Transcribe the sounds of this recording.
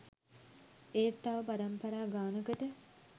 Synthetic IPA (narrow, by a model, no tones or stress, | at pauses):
eːt̪ːaʋəpaɾɐmpɐɾaːɡaːnəkəʈə